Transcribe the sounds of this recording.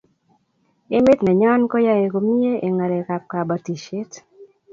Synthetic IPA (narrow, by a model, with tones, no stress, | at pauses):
e˦mɪ˦t̪nɛ˨ɲɔ˦nkɔ˦ja˦je˨ko˨mi˦e˦ʔe˨ŋa˨ɾe˨ka˨p̚ka˨ba˨ti˨ʃe˦t